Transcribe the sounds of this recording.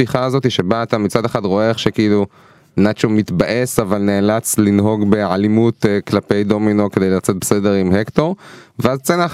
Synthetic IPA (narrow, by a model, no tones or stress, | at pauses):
fiχaːzo̞t̪iʃe̞baːt̪amit͡sad̪eχad̪ʁo̞eχʃe̞kiilu | nat͡ʃomit̪baʔe̞savalneːlat͡slinɦo̞ɡbeʕalimut̪klape̞jd̪o̞mino̞kede̞jlat͡set̪̚bese̞d̪e̞ʁimhekt̪o̞ʁveazt͡sena